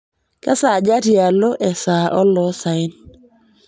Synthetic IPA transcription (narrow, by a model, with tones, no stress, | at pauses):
kɛ˦sa˨d͡ʒa˦ti˦a˨lo˦ʔɛ˨sa˨ʔɔ˦lɔ˨˦sa˨ɪ˦n